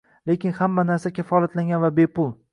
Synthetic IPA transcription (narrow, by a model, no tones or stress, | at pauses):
lekʲɪnhamːanaɾsakʲʰafɒlˠat̪laŋɡʲanvabepʰʊlˠ